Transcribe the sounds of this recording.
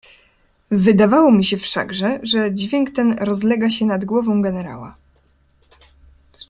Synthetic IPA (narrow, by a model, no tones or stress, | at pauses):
vɘd̪avawɔmʲiɕɛfʂa̰ɡʐɛʐɛd͡ʑvʲjɛŋkt̪ɛnɾɔzlɛɡaɕɛnad̪ɡwɔvɔ̃w̃ɡɛnɛɾa̰wa̰